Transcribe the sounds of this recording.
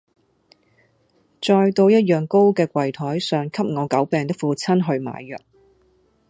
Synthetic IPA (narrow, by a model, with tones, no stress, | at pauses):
t͡ʃɔː˧jt̪o˧wjɐ˥t̚jœː˨ŋko˥wkɛː˧kʷwɐ˨˩jt̪ʰɔː˨˥jsœː˨ŋkʰɐ˥p̚ŋɔː˨˧kɐ˨˥wpɛː˨˧ŋt̪ɪ˥k̚fuː˧t͡sʰɐ˥nɦɵ˧ɥma̰ː˨˧jːœ̰ː˨˩k̚